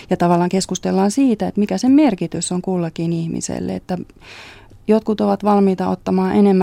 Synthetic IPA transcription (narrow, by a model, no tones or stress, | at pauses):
jɑt̪ɑʋɑlːˑɑːŋkeskust̪elːɑːnsiːt̪æet̪mikæsemmerkit̪ysːoŋkulːɑkinihmḭsḛlːḛḛt̪ːæ | jot̪̚kut̪oʋɑt̪ʋɑlmiːt̪ɑot̪ːɑmɑːʔenemːæ